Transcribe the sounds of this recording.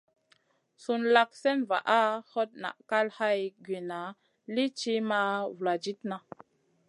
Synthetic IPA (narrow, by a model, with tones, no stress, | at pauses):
su˧nla˦k̚sɛ˦nva̰˨ʔa˦ho˦t̚na̰˨ʔka˦lha˦jɡɥe˨na˨˦ | li˦t͡ʃi˦ma˦vu˨la˨d͡ʒi˦tna˨